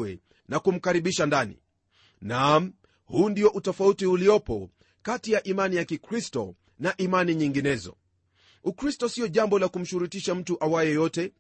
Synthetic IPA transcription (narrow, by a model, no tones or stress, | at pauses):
ɛ̰ | nakum̩kaɾiɓiʃandanḭ | nam | huːndijɔʔutɔfautiuliɔpɔ̰ | katijaʔimanijakikɾistɔ̰ | naʔimaniɲiŋɡinɛzɔ̰ | ukɾistɔsiɔʄambɔlakum̩ʃuɾutiʃam̩tuʔawajɛjɔtɛ